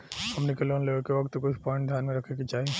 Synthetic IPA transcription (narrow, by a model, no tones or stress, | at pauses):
hɐmnekeloːnlekeʋɐkt̪kʊt͡ʃʰpɔ̃ːɪ̃ɳʈ̚d̪ʱjaːnmẽɾɐkʰekit͡ʃaːɦe